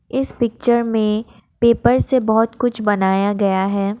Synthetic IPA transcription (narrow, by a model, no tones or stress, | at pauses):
ɪspɪk̚t͡ʃəɾmẽ | peːpəɾsebɔɦt̪kʊt͡ʃʰbɐnaːjaɡɐjaɦɛː